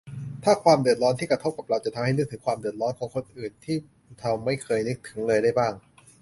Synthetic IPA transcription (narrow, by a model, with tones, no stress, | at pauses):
t̪ʰaː˥˩kʰwaː˧mdɯ˨˩ət̪̚ɾɔː˦˥nt̪ʰiː˥˩kɾa˧t̪ʰo˦˥p̚ka˨˩pɾa˧wt͡ɕa˨˩t̪ʰa˧mha˥˩jnɯ˦˥k̚t̪ʰɯ˩˦ŋkʰwaː˧mdɯ˨˩ət̪̚ɾɔː˦˥nkʰɔː˩˦ŋkʰo˧nʔɯː˨˩nt̪ʰiː˥˩ | t̪ʰa˧wma˥˩jkʰɤː˧jnɯ˦˥k̚t̪ʰɯ˩˦ŋlɤː˧jdaː˥˩jbaː˥˩ŋ